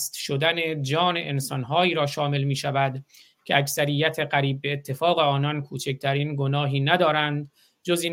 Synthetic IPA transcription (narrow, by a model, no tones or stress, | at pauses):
st̪ʃod̪æne̞d͡ʒɒːne̞ʔensɒnɦɒːiːɾɒːʃɒːme̞lmiːʃævæd̪ | cʰeæksæɾijːæt̪ʰe̞ɢæɾiːb̚ːeːt̪ʰːe̞fɒːɣe̞ɒːnɒnkʰuːt͡ʃʰec̚t̪ʰæɾiːnɡonɒːɦiːnæd̪ɒːɾænd̪ | d͡ʒoziː